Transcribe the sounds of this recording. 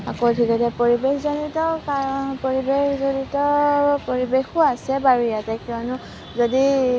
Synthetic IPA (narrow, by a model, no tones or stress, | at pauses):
a̰kotʰikɛtɛpoɹibexzonitɔkaɔpoɹibexzonitɔpoɹibexʊasɛbaɹujatɛkiɔnʊ | zodi